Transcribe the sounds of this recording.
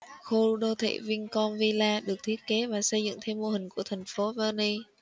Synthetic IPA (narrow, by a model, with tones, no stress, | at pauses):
xo˧ɗo˧t̪ʰḛ˧˩vi˧ŋkɔ˧nvi˧laː˧ɗɨ˨˩ək̚t̪ʰi˦˥ət̚ke˨˦vaː˨˩sə˧jzɨ̰˧˨ŋt̪ʰe˧mːo˧ɦï˨˩ŋ̟ku˧˩ət̪ʰa˨˩jŋ̟fo˨˦vəː˧ni˧